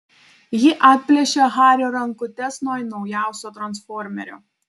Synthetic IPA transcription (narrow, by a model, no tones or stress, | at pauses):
jɪʔɑːt̪̚ʲpʲlʲɛʃʲeɣɑːɾʲoːɾɐŋkʊt̪ʲɛsnoːɪnɒʊjæˑʊsʲoːt̪ɾɐnsfɔːɾʲmʲɛ̰ɾʲo̰ː